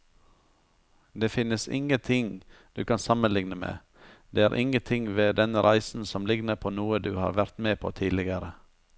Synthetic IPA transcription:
d̪eːfɪnəsɪ̰ŋət̪ʰɪŋd̪̥ʉːkʰɑnsɑmənlɪŋnəmḛː | d̪̥eːæːɾʔɪŋət̪ʰɪŋʋeːd̪ɛnəɾʔæɪsn̩sɔmlɪɡnəɾpʰoːnuːəd̪ʉ̰ːhɑ̰ːɾʋæɾt̪meːpʰo̰ːt̪ʰiːlɪɡəɾə

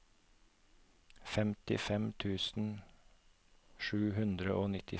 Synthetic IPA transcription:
fɛmt̪ɪ̰fɛmt̪ʰʉːsn̩ | ʃʉːhʉnd̪ɾəʔoːnɪt̪ʰɪ

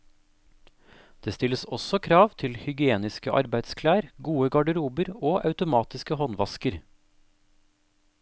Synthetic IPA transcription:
d̪̥eːst̪ɪləsɔsɔkʰɾɑːʋt̪ʰɪlhʏɡɪeːnɪskəʔɑ̰ɾbæɪd̪skʰlæːɾɡuːəɡɑɖəɾuːbəɾoːʔɑʉt̪ʊmɑːt̪ɪskəhɔnʋɑskəɾ

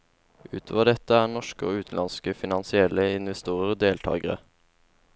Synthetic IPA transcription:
ʔʉ̰ːt̪ʰoːʋəɖ̪ɛt̪ːəæːɳɔʂkəo̰ːʉːt̪n̩lɑnskəfɪnɑnsɪɛlːəɪnʋɛst̪uːɾəʁd̪eːlt̪ʰɑ̰ːɡəʁə̰

